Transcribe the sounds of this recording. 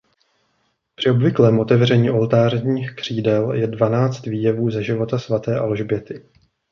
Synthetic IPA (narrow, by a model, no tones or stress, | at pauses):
pr̥ɪo̞bvɪklɛːmʔo̞t̪ɛvrɛɲiːʔo̞lt̪aːrɲiːxkr̝̥iːdɛljɛdvanaːt͡st̪viːjɛvuːzɛʒɪvo̞t̪asvat̪ɛːʔalʒbjɛt̪ɪ